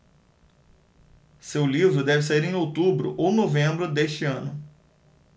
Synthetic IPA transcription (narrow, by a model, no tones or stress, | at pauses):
sewlivɾʊd̪ɛvɪseiɾẽj̃owt̪ubɾʊ̰ʔonovẽmbɾʊd̪eʃt͡ʃɪɐ̃nʊ